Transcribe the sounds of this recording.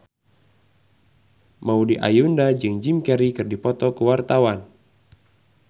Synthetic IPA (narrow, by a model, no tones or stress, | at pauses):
maudiʔa̰jundad͡ʒɨŋd͡ʒimkɛɾikɨrdipɔt̪ɔkəwart̪awan